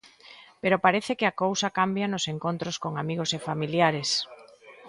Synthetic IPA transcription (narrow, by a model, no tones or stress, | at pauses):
peɾopaɾeθekɪakowsakambjanoseŋkont̪ɾoskoŋamiɣ̞osefamiljaɾes